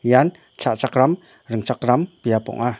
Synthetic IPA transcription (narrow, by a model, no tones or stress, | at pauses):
jan | t͡ʃaʔt͡ʃakɾam | ɾəŋt͡ʃakɾampijapɔ̰ŋa